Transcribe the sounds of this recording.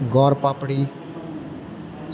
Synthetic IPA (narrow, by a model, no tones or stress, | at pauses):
ɡɔːɾpaːpɽiː | s